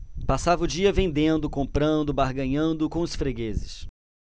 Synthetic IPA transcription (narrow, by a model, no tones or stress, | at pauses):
pasavɐʊd͡ʒiɐvẽnd̪ẽnd̪ʊkõmpɾɐ̃nd̪ʊbaɾɡɐ̃ɲɐ̃nd̪ʊkõʊsfɾeɡezɪs